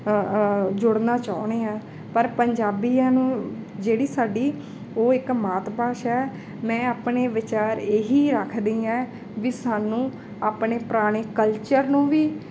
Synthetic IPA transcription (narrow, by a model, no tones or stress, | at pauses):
d͡ʒʊɽnaːt͡ʃaːneːɛ̃ː | pəɾpəɲd͡ʒaːbiːãːnũːd͡ʒeːɽiːsaːɖiː | oːɪkmaːt̪paːʃɛː | mɛ̃ːaːpneːʋɪt͡ʃaːɾeːɦiːɾəkʰd̪iːɛː | ʋisaːnũː | aːpɳeːpɾaːɽ̃eːkəlt͡ʃəɾnũːʋiː